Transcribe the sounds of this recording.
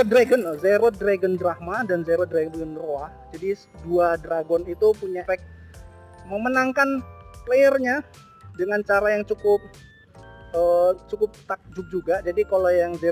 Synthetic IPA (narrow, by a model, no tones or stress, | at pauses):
dɾaɡənzeɾɔt̪̚dɾaɡəndɾahmadanzeɾɔt̪̚dɾaɡɡənroa | d͡ʒadi | duadɾaɡɔnit̪upuɲafɛk̚t̪̚ | məmənaŋkanplejərɲa | dəŋant͡ʃaɾajaŋt͡ʃukʊp̚ | ət͡ʃukʊp̚t̪ak̚d͡ʒʊk̚d͡ʒuɡad͡ʒadikalojaŋze